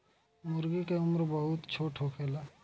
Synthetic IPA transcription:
mʊɾɡikeʊmɾbəɦʊt̪t͡ʃʰoːʈʰɦokʰeːlaː

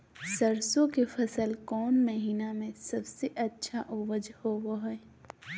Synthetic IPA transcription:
səɾsõkefʰɐsəlkɔːnməɦiːnamẽsɐbseʔɐtːʃʰaʔoːʋəd͡ʒhoʋoɦɛː

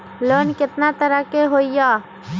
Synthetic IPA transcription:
loːnkɪt̪nat̪əɾakeɦoːijaː

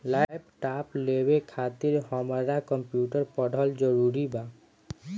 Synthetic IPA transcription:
lajb̚ʈaplebekʰat̪iɾɦɔmaɾakɔmpjuʈaɾpɔɖʱɔld͡ʑɔɾuɾiba

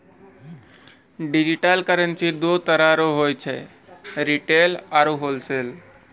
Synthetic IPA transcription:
ɖid͡ʒiʈalkəɾənsid̪ot̪əɾaɾoɦojt͡ʃʰɛ | ɾiʈelaɾuɦolsel

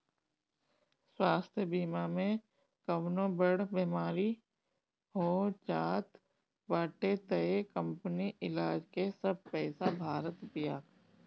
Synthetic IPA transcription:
swaːst̪ʰjəbiːmamẽ | kɐʋnõbəɽbeːmaːɾi | ɦoːt͡ʃaːt̪ | baːʈet̪əekə̃mpəniʔɪlaːd͡ʒkesɐb̚pɛːsabʱaːɾət̪bijaː

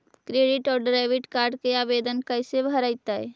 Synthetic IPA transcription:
kɾeɖiʈɔːɾɖɾajʋiʈkaɾɖkeabed̪ənkəjsebʱəɾəɪt̪əj

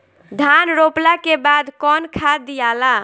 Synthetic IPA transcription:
d̪ʱanɾoplakebad̪kɔnkʰad̪ijala

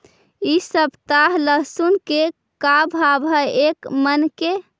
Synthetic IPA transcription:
isəbt̪aɦləɦsunke | kabʱabʱəekmənke

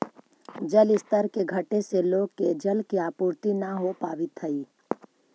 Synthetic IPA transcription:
d͡ʒəlɪst̪əɾkeɡʱəʈeseloːɡ̚ked͡ʒəlkiaːpuːɾt̪inaɦopaːʋɪt̪ʰəiː

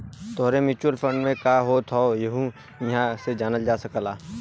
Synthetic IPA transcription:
t̪oːɾemɪt͡ʃuəlfʰə̃ɳɖmẽkaːɦot̪ʰɔjeɦũ | jɐɦãsed͡ʒaːnəld͡ʒaːsəkəlaː

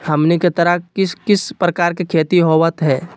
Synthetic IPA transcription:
hɐmneket̪əɾəɦkɪskɪspɾəkaːɾkekʰeːt̪iɦoːʋət̪ɦɛː

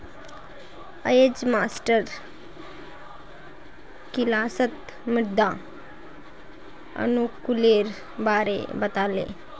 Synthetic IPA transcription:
əjed͡ʑmasʈəɾ | kilasət̪ | miɽd̪a | ə̰nukuleɾ | baɾḛbət̪alḛ

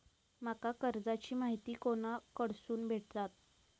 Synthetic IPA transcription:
m̤akakəɾd͡zat͡ɕiːmaɦit̪iːkoɽ̃akəɽsuːnbʱeʈ̚t̪at̪̚

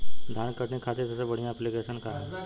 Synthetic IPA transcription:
d̪ʱaːɳkəʈnekʰaːt̪esəsebəɽ̤ijãɛplikeːsənkaɾɛ

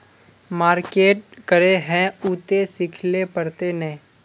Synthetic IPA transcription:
maːɾkeːʈ̚kəɾeɦɛ̃uːt̪esɪkʰlepəɾt̪enɐɦĩ

